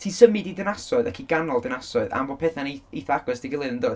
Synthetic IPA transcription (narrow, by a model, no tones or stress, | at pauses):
tʰiːsəmɨdidɪnasɔɨðakʰiɡanɔlˠdɪnasɔɨða̰mbo̥pʰɛθaneeθɔaɡɔsd̥iɡɪlˠɨnəndoːð